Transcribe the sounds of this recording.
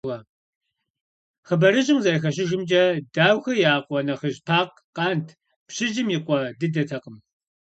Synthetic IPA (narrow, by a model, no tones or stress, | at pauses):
ʁɐ | χəbɐɾɨʑɪmzɐjx̬ɐɕ̬ɪʒɪmd͡ʒɐdaːwxɐjaːqʷʼɔnɐχəʑpʰaːq | qɑːntʰ | pɕɪʒɪmjiqʷɔdɨdɐtʰɐqəm